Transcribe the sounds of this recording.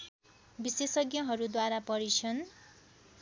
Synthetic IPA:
bisesʌɡjʌɦʌɾud̪waɾapʌɾit͡sʰʌn

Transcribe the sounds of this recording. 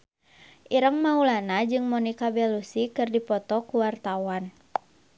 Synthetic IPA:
ʔiɾəŋmaulanad͡ʒɨŋmɔnikabɛlusikɨrdipɔt̪ɔkuwart̪awan

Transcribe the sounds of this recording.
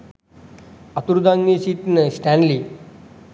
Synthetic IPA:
ət̪uɾd̪ãŋniɕit̪nəɕʈænli

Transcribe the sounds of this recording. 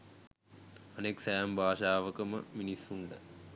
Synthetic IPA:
ɐneksajambʱaːʃaːʋəkəmə̰minisːuɳɖə

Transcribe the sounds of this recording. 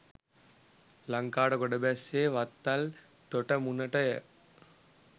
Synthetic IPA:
lɐŋkaːɽɐkɔɖɐbɛseːʋɐt̪ːɐl | t̪oʈɐmunɐʈɐjɐ

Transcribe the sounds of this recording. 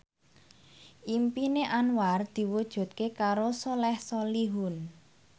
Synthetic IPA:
ʔimpineʔanward̪̥i̤wud̥ʒ̥ṳt̪̚kekaɾosɔlɛhsɔliɦun

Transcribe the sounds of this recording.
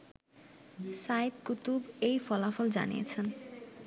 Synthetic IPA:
sajd̪kut̪ubejfɔlafɔld͡ʑa̰nḭjḛt͡ɕʰen

